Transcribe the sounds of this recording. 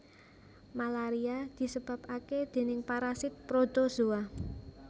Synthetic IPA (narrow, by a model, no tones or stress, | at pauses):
malaɾiad̪̥i̤səb̥a̤paked̪̥e̤nɪŋpaɾasɪt̪̚pɾod̪ozua